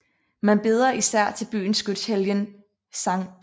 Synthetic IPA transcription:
mænb̥e̝ːð̞ˠɐʔisæɐ̰t͡sʰe̝lb̥y̰ːn̩sɡ̥yd̥sheljən | sɑ̈ŋ

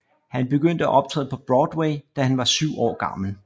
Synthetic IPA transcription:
hænb̥e̝ɡ̥øn̰d̥əæʔɒ̽b̥̚t͡sʰʁɛ̰ːð̩ˠpʰɒ̽b̥ʁɒːd̥weɪd̥æhænʋɑ̈syʊɒ̰ːɡ̥ɑ̈ml̩

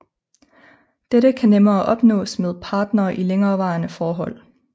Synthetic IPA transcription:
d̥eɾəkʰænemɐːʔɒ̽b̥nɔ̰̽ːsmeð̞ˠpʰɑ̈ːd̥nɐːʔileŋɐːʋɑ̈ːnəfɒːɦɒ̽l̰

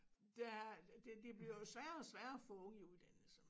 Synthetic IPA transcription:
d̥æd̥ed̥e̝b̥liɐjo̝sʋæːɐɒsʋæːɐɒfɔŋiuðˠd̥ænl̩sə

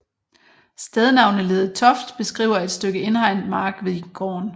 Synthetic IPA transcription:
sd̥eðˠnɑ̈ʊ̰nəle̝ːð̩ˠt͡sʰɒ̽fd̥b̥e̝sɡ̥ʁḭʊ̰ɐe̝d̥sd̥øɡ̥əe̝nhɑ̈ɪ̰nd̥mɑ̈ːɡ̥ʋeɡ̥ɒ̰ːn

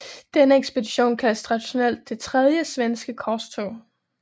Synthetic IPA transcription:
d̥enəeɡ̥sb̥e̝diɕo̝̰ːnkʰæst͡sʰʁɑ̈d̥iɕo̝nel̰d̥̚ːe̝t͡sʰʁɛð̞ˠjəsʋensɡ̥əkʰɒst͡sʰo

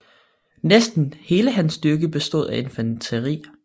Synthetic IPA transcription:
nesd̥n̩he̝ːləɦænsd̥yɐɡ̥əb̥e̝sd̥o̝ð̰ˠæʔe̝nfænt͡sʰəʁḭː

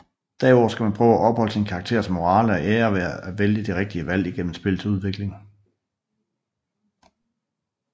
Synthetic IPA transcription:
d̥æɐɒ̰ʊ̰ːsɡ̥æmænpʰʁœːʊæʔɒ̽b̥hɒ̽l̰əsinkʰɑ̈ɡ̥t͡sʰe̝ɐ̰smo̝ʁɑ̈ːləɒʔeːɐʋeɐæʋeljəd̥eʁeɡ̥̚d̥iəʋæl̰iɡ̥en̰m̩sb̥e̝l̩sʰuð̞ˠʋe̝ɡ̥le̝ŋ

